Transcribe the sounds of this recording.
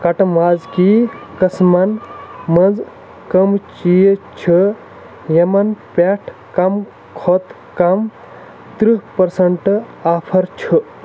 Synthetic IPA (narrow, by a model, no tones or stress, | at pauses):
kɐʈmaːd͡zkikɐsmɐnmɐnd͡z | kɐmt͡ʃijt͡ʃʰɨ | jɐmɐnpʲeʈʰ | kɐm | kʰot̪ | kɐm | t̪ɾiɦpɐɾsɐɳʈ | aːpʰɐɾt͡ʃʰu